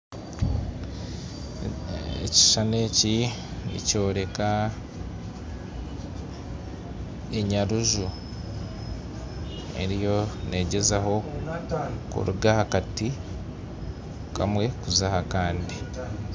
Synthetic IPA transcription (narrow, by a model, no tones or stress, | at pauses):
ḛci̥ʃane̞ːcinḭco̞ːɾe̞ka | e̞ɲaɾuʒu | e̞̰ɾijo̞nʔe̞ːɟe̞zaɦo̞ | kṵɾuɡahakati | kʰa̰mwe̞kuzahakaːndi